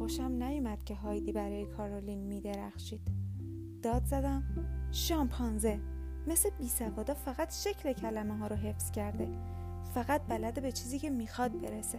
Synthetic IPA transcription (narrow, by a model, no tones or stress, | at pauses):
oʃæmnæjumæd̪̥cʲʰe̞ɦɒːjd̪iːbæɾɒːjekʰɒɾolinmiːd̪eɾæxʃiːd̪̥ | d̪ɒːd̪zæd̪æmʃɒmpʰɒnze | mesebiːsævɒːd̪ɒːfæɣæt̪ʃe̞cʰle̞cʰælæmeɦɒːɾoɦe̞fscʰæɾd̪e̞ | fæɣæt̪̚bælæd̪ebe̞t͡ʃʰiːziːcʰe̞miːxɒd̪̚be̞ɾese̞